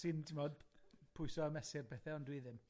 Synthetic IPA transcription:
sɨndɪmɔdpʰʊɨsɔəmɛsɪrpɛθɛɔndwiðɪm

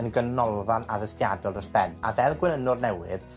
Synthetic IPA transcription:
ənɡənːɔlˠvanaðəskjadɔlˠdɔsb̥ɛna̰vɛlˠɡwɛnənʊrnɛwɨð

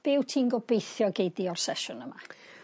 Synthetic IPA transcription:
b̥ɪwtʰiːnɡɔbejθjɔɡejdiɔr̥sɛʃʊnəma

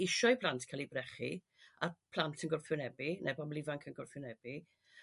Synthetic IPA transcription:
ɪʃɔjpʰlˠantʰkʰalˠibrɛχḭ | a̰pʰl̥ˠantʰənɡʊrfɪnɛbinʔɛbɔblˠɪvaŋkʰənɡʊrfɪʊnɛb̥i

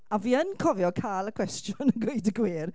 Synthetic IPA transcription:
aviːənkʰɔvjɔkʰaːlˠəkʰw̥ɛstjʊnəɡʊɨdəɡwiːr

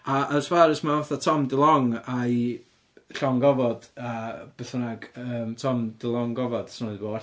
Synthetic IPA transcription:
aʔəsv̥aɾɪsmaɔθatʰɔmdɪlˠɔŋaj | ɬɔŋɡɔvɔd̥ab̥ɛθənaɡəːmtʰɔmdəlˠɔŋɡɔvɔd̥snɔɨðboː

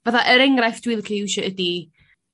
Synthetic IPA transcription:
vaθaʔəɾɛŋrajfd̥wɪːlˠkʰiwʃɔədi

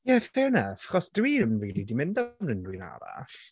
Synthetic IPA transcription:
jɛfɛnafḁχɔsd̥wiːənriːlˠidimɪ̃ndamnəndwiːna̰ɾa̰ɬ

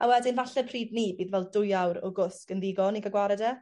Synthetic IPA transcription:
awɛdɪnvaɬɛpʰriːdnibiːðvɛlˠdʊjawɾɔ̰ɡʊskənðɪɡɔniɡaɡwaɾɛdɛ

